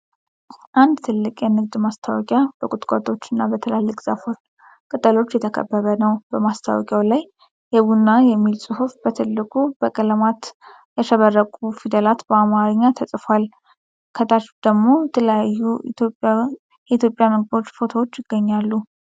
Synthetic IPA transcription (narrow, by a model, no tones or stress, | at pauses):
ʔand̪t̪ʰɨlːɨkʼjɛnɨɡd̪mast̪ʰawkʼjab̥əkʼʊt̪ʼkʼot̪ʼo̞t͡ʃːɪnːabət̪ʰəlalːɨkʼz̥afoɾ | kʼət̪ʼəlo̞t͡ʃːjɛt̪ʰəkʰə̰bːəβənəwbəmast̪ʰa̰wɔ̰kʼjawlaj | jɛβunːajɛmːilsʼɨhufbət̪ʰɨlːɨkʼub̥əkʼələmat̪ | jɛʃəβərːəkʼufid̪əlat̪bəamaɾəɲːat̪ʰəsʼfal | kʰət̪ʰʼat͡ʃd̪̥əɡmo̞ɛt̪ʰələjajːut̪ʰopʼ | jɛit̪ʰjo̞pʼːjaməɡ̚bo̞t͡ʃːfo̞t̪ʰowot͡ʃːjɪɡːəɲːalːu